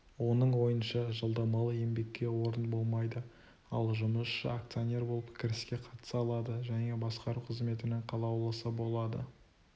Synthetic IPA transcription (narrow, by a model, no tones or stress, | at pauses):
wo̞nəɴwo̞jənʃɑʒəlˠd̪ɑmɑlˠəe̞mbe̞kʲːe̞wo̞ɾənbo̞lˠmɑjd̪ə | ɑlˠʒʊməsʃə̰ak̚t̪sijonʲe̞ɾbo̞lˠəpkʲʰɪɾɪskʲe̞qʰɑt̪ə̥sɑlˠɑd̪əʒæne̞bɑsqɑɾuqʰəzme̞t̪ɪnɪŋqʰɑlˠɑwlˠəsəbo̞lˠɑd̪ə̰